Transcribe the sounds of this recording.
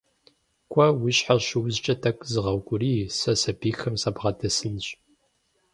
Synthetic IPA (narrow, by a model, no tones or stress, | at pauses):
kʷʰʼɐwʊɕħaɕɪwzt͡ʃʼɐtʰɐkʷʼzɨʁɐwɡʷʼʊriːsɐsɐbiːxɐmsɐbʁɐtʰɐsɨnɕʼ